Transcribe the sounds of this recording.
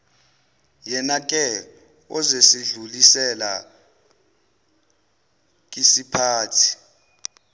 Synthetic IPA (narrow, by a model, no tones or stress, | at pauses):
jɛnak̬ʼɛ | ɔ̰zesiɮulisɛla̰ | kʼisipʰaːtʰi̥